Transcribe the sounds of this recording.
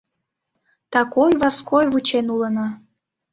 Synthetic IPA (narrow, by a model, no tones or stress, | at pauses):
t̪ɑkojβɑskʰojvut͡ɕenulənɑ